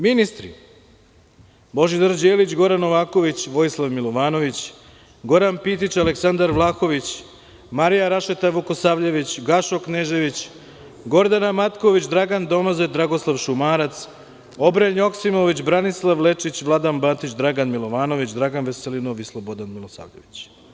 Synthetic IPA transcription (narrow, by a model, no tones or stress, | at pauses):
minist̪ɾi | bo̞ʒid̪əɾd͡ʑeːlit͡ɕɡo̞ɾanoʋaːko̞ʋit͡ɕʋo̞jislˠaʋmilˠoʋaːno̞ʋit͡ɕ | ɡo̞ɾanpit̪̬it͡ɕaleksand̪aɾʋlˠaːko̞ʋit͡ɕ | maɾijaɾaʃet̪aʋukosaʋʎeʋit͡ɕɡaʃokneʒeʋit͡ɕ | ɡo̞ɾd̪anamat̪ko̞ʋit͡ɕd̪ɾaɡand̪o̞mazed̪ɾaɡo̞slˠaʋʃumaːɾat̪s | o̞bɾenjo̞ksimoʋit͡ɕbɾanislˠaʋle̞t͡ʂit͡ɕʋlˠad̪anbat̪it͡ɕd̪ɾaɡanmilˠo̞ʋaːno̞ʋit͡ɕd̪ɾaɡanʋeselinoʋislˠobod̪anmilˠosa̰ːvʎeʋit͡ɕ